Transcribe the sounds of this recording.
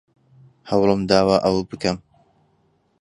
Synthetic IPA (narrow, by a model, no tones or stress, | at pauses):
hɐwlɨmd̪aːwaːʔɐwbɨkɐm